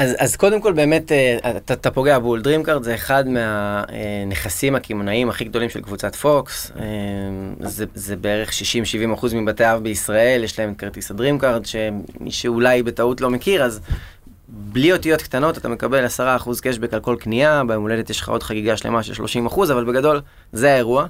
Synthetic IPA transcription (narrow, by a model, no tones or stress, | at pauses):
azazko̞demko̞lbe̞ːme̞t̪eatat̪apo̞ɡe̞abuldʁimkaʁdzeːχad̪meaeneχasimhakimonaimaχiɡ̚d̪o̞limʃelkvut͡satfo̞kse | zezebee̞ʁeχʃiʃimʃivimaχuzmibateaavbeisʁae̞ljeʃlaemet̪̚kaʁt̪isadʁimkaʁdʃe̞mḭʃeulajbe̞tautlo̞me̞kiʁaz | blio̞tijo̞t̪kt̪ano̞tat̪ame̞kabe̞lasaʁaːχuzke̞ʃ̬bekalko̞lkniabeemole̞det̪jeʃχa̰ʔo̞dχaɡiɡaʃlḛmaʃelʃlo̞ʃimaχuzavalbeɡado̞l | zeae̞ʁua